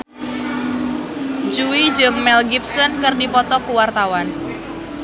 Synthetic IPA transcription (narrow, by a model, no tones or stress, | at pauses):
d͡ʒuwid͡ʒəŋmɛlɡip̚sɔnkɨrdipɔt̪ɔkuwart̪awan